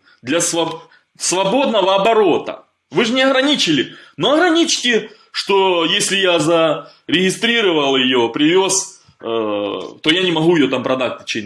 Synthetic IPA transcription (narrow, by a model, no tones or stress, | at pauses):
d̪lʲɐsvɐ | svɐbo̞d̪nəvəɐbɐɾo̞t̪ə̰ | vɨʐɨnʲɪɐɣɾɐnʲit͡ɕɪlʲɪnoɐɣɾɐnʲit͡ɕɪ̥tʲɪ | ʂt̪o̞jesʲlʲɪjazəɾʲɪɣʲɪst̪ɾʲiɾəvəlˠjɪjopɾʲɪvʲos | t̪o̞janʲɪmɐɦuɪjo̞t̪ampɾɐd̪at̚ʲɪt͡ɕenʲ